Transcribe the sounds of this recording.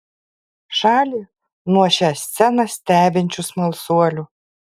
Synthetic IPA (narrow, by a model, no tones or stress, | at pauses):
ʃɑːlʲi | nuɔɕʲɑsʲt̪sʲɛnɐsʲt̪ʲæːbʲɪnʲt͡ʃʲusmɐlˠsuɔlʲu